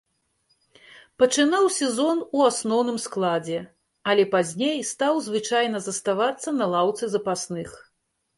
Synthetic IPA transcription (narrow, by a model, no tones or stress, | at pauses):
pɐt͡ʂɨnawsʲɛzɔnuasnɔwnɨmsklˠad͡zʲɛ | ɐlʲɛpazʲnʲejst̪awzvɨt͡ʂajnɐzɐst̪avat̪sːɐnɐlˠawt̪sɨzɐpasnɨx